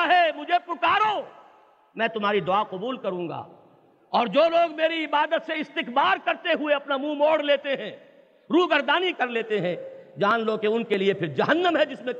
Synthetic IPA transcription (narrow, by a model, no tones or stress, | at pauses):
ɦɛmʊd͡ʒʱepʊkaːɾoː | mɛ̃ːt̪ʊm̤aːɾid̪ʊaqʊbuːlkɐɾũːŋɡa̰ː | ɔːɾd͡ʒoːloːɡmeːɾiɪbaːd̪ət̪seɪst̪ɪkbaːɾkɐɾt̪eɦʊeɐpnamũmoːɽleːt̪eɦɛ̃ː | ɾuːɡɐɾd̪aːnikɐɾleːt̪eɦɛ̃d͡ʒaːnlokeʊnkeliepʰɪɾd͡ʒɐɦənːəmɦɛd͡ʒɪsmẽ